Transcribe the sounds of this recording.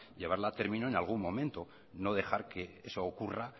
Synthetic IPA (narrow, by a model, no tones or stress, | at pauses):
ʎe̞βaɾlat̪e̞ɾmĩno̞enalɣ̞unmõ̞mẽnt̪o | no̞ðe̞xaɾke̞esoːkura